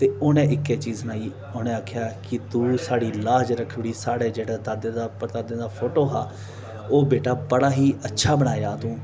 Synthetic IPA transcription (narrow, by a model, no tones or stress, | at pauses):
t̪eːʊnẽːɪkːeːt͡ʃiːznaːiː | ʊnẽːaːkʰjaːkɪt̪ũːsaːɽiːlaːd͡ʒɾəkʰːɽiːsaːɽeːd͡ʒeːɽaːd̪ad̪ẽːd̪apəɾt̪aːd̪ẽːd̪aːpʰoːʈoːɦaː | oːbeːʈaːbəɽaːɦiːʔətːʃʰaːbəɽ̃aːjaːt̪ũː